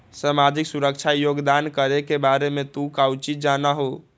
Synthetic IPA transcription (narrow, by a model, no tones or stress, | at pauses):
samad͡ʒiksuɾək̚t͡ʃʰajoɡd̪ankəɾekebaɾemet̪ũkawt͡ʃid͡ʒanaɦo